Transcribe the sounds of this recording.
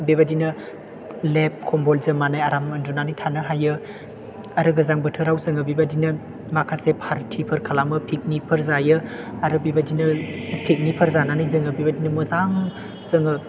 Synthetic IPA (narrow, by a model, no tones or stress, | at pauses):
bebadinɐ | lep̚kʰɔmbɔlzɐmanajaɾamɐndunanijtʰanɯɦajɯ | aɾɯɡɐzaŋbɯtʰɯɾawzɐŋɐbibadinɐ | makʰasepʰaɾtʰipʰɐɾkʰalamɯpʰik̚nipʰɐɾzajɯaɾɯbibadinɐpʰik̚nipʰɐɾzananijzɯŋɐbibadinɐmɯzaŋ | zɐŋɯ